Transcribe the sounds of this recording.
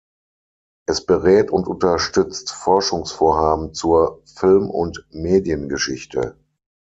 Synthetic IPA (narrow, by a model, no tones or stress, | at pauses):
ʔɛsb̥əʁɛːtʊntʔʊntɐʃtʏt͡stfɔɐʃʊŋsfoːɐɦaːbm̩t͡suːɐfɪlmʊ̰ntmeːdjənɡəʃɪçtʰə̰